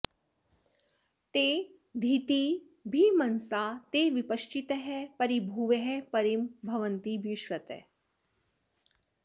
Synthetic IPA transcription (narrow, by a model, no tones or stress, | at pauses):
t̪e | d̪ʱit̪i | bʱimɐnsaːt̪eʋipɐʃt͡ʃit̪əɦɛpɐɾibʱuːʋɐɦɛpɐɾimbʱɐʋənt̪ibiʃʋɐt̪ḛ